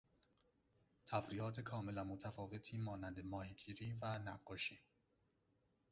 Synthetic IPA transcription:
t̪ʰæfɾiːɒːt̪ʰekʰɒːmelænmot̪ʰæfɒːve̞t̪ʰiːmɒːnænd̪emɒːhiɡiːɾiːvænæ̰ɢːɒːʃiː

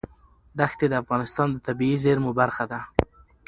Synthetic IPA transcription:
ɖ̪axt̪ed̪əafɣɑnɪst̪ɑnd̪ət̪abiizeɾmubaɾxad̪a

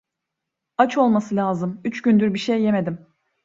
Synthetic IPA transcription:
at͡ʃo̞lˠmasɯlʲaːzɯmyt͡ʃɟynd̪yɾbiʃejːe̞me̞d̪im

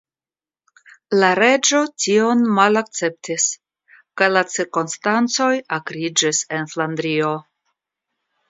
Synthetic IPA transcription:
laɾe̞d͡ʒo̞tio̞nmalak̚t͡se̞p̚tis | kajlat͡siɾkonstant͡so̞jakɾid͡ʒise̞nflandɾio̞

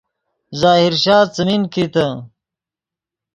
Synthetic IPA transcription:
zaːɦiɾɕaːt͡sɐminkit̪ɐ

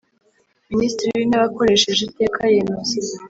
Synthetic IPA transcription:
ministɾiβineβako̞ɾe̞ʃe̞ʒete̞ːkʰajemeze

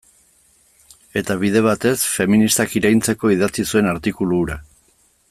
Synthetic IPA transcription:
e̞t̪aβ̞ið̞e̞β̞at̪e̞sfe̞minist̪akiɾajnt͡se̞ko̞iðat͡sisue̞naɾt̪ikuluɾa

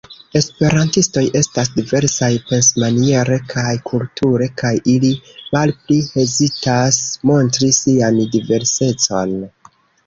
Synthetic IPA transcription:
e̞spe̞ɾantisto̞jʔe̞stasdive̞ɾsajpe̞nsmanie̞ɾe̞kʰajkʰultʰuɾe̞kajilimalplihe̞zitasmo̞ntɾisiandive̞ɾse̞t͡so̞n

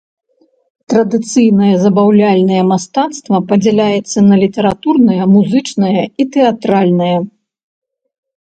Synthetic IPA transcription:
t̪ɾɐd̪ɨt̪sɨjnɐjɐzɐbawlʲalʲnɐjɛmast̪at̪st̪vɐpɐd͡zʲɛlʲajɛt̪sːɐnɐlʲit̪ɛɾat̪urnɐjɐmuzɨt͡ʂnɐjɐit̪ɛat̪ɾalʲnɨjɐ

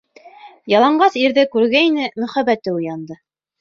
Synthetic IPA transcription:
jɑlˠɑɴɢɑsiɾðɘkʉɾɡæinɘmɵ̆χæbæt̪ɘujɑnd̪ɤ

